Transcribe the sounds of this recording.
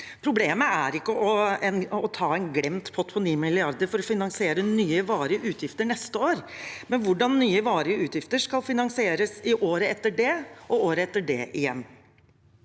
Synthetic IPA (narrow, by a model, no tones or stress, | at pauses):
pʰɾʊbleːməæɾɪkːəʔɔɛnɔt̪ʰɑːɛnɡɽɛmt̪pʰɔt̪ʰpʰɔniːmɪlɪɑɾd̪əɾfɔɾɔfɪnɑŋsɪeːɾənyːəʋɑːɾəʔʉːt̪ʰjɪft̪əɳɛst̪əoːɾmɛnʋʊɖɑnːyːəʋɑːɾəʉːt̪jɪft̪əʂkɑlfɪnɑŋsɪeːɾəsɪʔoːɾəɛt̪ːəɖɛʔɔoːɾəɛt̪ːəɖɛ̰ʔɪjɛ̰nː